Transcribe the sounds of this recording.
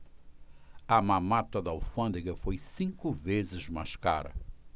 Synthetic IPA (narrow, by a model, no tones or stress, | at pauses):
ɐmãmat̪ɐd̪awfɐ̃nd̪eɡɐfojsĩŋkʊvezɪzmaska̰ɾɐ̰